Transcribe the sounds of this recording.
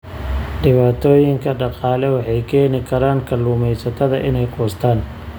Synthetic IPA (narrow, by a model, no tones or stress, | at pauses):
ɖɪβaːt̪ʰɔːjɪŋkʰɐɖɑqɑːlɛwɑħɑjkʰɛːnɪkʰɐɾaːŋkʰɐlʊːmɛjsɐt̪ʰɐðɐʔɪnɛjqʰɔːst̪ʰaːn